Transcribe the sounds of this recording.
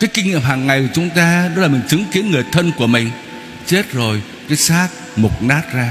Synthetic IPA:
kaː˨˦jkï˧ŋ̟ɲḭ˧˨mhɦaː˨˩ŋːa˨˩jkt͡ɕʊ˨˦ŋ͡mt̪aː˧ɗɔ˨˦la˨˩mï˨˩ŋt͡ɕɨ˨˦ŋki˨˦ənŋɨ˨˩əjt̪ʰə˧nku˧˩əmï˨˩ŋ̟ | t͡ɕe˦˥t̚zo˨˩j | kaː˨˦jsaː˦˥t̚ | mʊ˨˩k͡p̚naː˦˥t̚zaː˧

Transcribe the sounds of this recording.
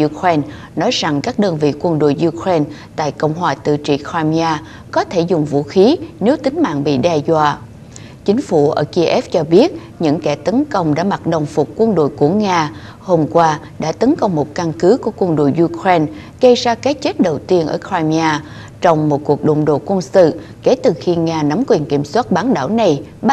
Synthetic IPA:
ʔu˧kʰe˧n | nɔ˨˦jza˨˩ŋkaː˦˥k̚ɗəː˧nvḭ˧˨kwə˧nɗo̰˧˨jʔu˧kʰɹe˧nt̪a̰ː˧˨jkə̰˧˨wŋ͡mɦwaː˨˩t̪ɨ̰˧˨t͡ɕḭ˧˨kʰaː˧mi˧aː˧ | kɔ˨˦t̪ʰe˧˩zʊ˨˩ŋ͡mvṵ˧˥xi˨˦ne˨˦wt̪ï˨˦ŋ̟ma̰ː˧˨ŋɓḭ˧˨ɗɛ˧zwaː˧˨ | t͡ɕï˨˦ŋ̟fu˧˩ʔəː˧˩ki˧ʔɛ˦˥f̚t͡ɕɔ˧ɓi˦˥ət̚ | ɲɨ̰˧˥ŋkɛ˧˩t̪ə˨˦nkə˧wŋ͡mɗa̰ː˧˥ma˨˩t̚ɗə˨˩wŋ͡mfʊ˨˩k͡p̚kwə˧nɗo̰˧˨jku˧˩əŋaː˧ | ho˧mkwaː˧ | ɗa̰ː˧˥t̪ə˨˦nkə˧wŋ͡mmo˨˩t̚ka˧nkɨ˨˦ku˧˩əkwə˧nɗo̰˧˨jʔu˧kɹe˧n | ɣə˧jzaː˧ka˨˦t͡ɕe˦˥t̚ɗə˨˩wt̪i˧ənʔə̰ː˧˩kʰaː˧mi˧aː˧ | t͡ɕɔ˧wŋ͡mmo˨˩t̚ku˨˩ək̚ɗo̰˧˨ŋ͡mɗo̰˧˨kwə˧nsɨ̰˧˨ke˧˩t̪ɨ˨˩xi˧ŋaː˧na˨˦mkwi˨˩ənki˧˩əmswaː˦˥t̚ɓaː˨˦nɗa̰ː˧˩wna˨˩j

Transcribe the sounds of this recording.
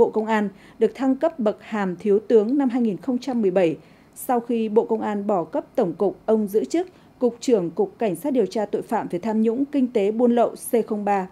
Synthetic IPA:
ɓo̰˧˨kə˧wŋ͡mʔaː˧n | ɗɨ˨˩ək̚t̪ʰa˧ŋkə˦˥p̚ɓə˨˩k̚haː˨˩mt̪ʰi˨˦əwt̪ɨ˨˦əŋna˧mɦaː˧jŋi˨˩nxə˧wŋ͡mt͡ɕa˧mːɨ˨˩əjɓə˧˩j | sa˧wxi˧ɓo̰˧˨kə˧wŋ͡mʔaː˧nɓɔ˧˩kə˦˥p̚t̪ə˧˩wŋ͡mkʊ˨˩k͡p̚ʔə˧wŋ͡mzɨ̰˧˥t͡ɕɨ˦˥k̚ːʊ˨˩k͡p̚t͡ɕɨ˧˩əŋkʊ˨˩k͡p̚ka˧˩jŋ̟saː˦˥t̚ɗi˨˩əwt͡ɕaː˧t̪o̰˧˨jfa̰ː˧˨mve˨˩t̪ʰaː˧mɲʊ̰˧˥ŋ͡mkï˧ŋ̟t̪e˨˦ɓu˧ənlə̰˧˨wse˧xə˧wŋ͡mɓaː˧

